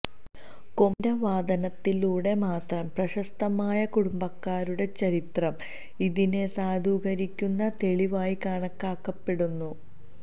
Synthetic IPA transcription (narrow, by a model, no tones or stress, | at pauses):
komdɐʋaːd̪ɐnɐt̪ːiluːɽe̞maːt̪rɐmprɐɕɐst̪ɐmaːjɐkuɽumbɐkːaːɾuɽe̞t͡ɕɐɾit̪rɐm | iðine̞saːd̪ʱuːɡɐɾikʲːunːɐt̪e̞ɭiʋaːjikaːɳɐkːaːkːɐpːe̞ɽunːu